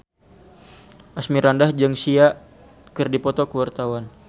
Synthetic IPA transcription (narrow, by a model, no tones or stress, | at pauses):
ʔasmiɾandahd͡ʒɨŋsia | kɨrdipɔt̪ɔkəwart̪awan